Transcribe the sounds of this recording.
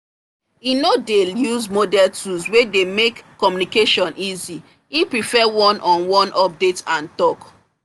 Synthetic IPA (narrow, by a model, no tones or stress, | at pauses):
inodeljuzmodɛltʰuzwedemekː | ɔmjunikeʃɔ̃nʔizi | ipɹifɛwɔ̃nʔɔ̃nwɔ̃nʔɔp̚detãntɔk